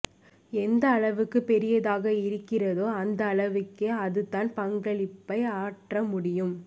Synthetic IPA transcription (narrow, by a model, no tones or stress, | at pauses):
ɛnd̪ɐːɭɐʋɯkːɯpɛɾɪjɐðaːɣɐɪɾɯkːɪrɐðoːɐnd̪ɐːɭɐʋɯkːeɐðɯt̪ːaːnpɐŋɡɐɭɪpːɐɪaːʈrɐmʊɽɪjɯm